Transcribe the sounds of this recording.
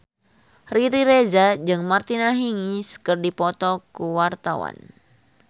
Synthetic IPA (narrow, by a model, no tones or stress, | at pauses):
riɾiɾezad͡ʒɨŋmart̪inaɦiŋiskɨrdipɔt̪ɔkuwart̪awa̰n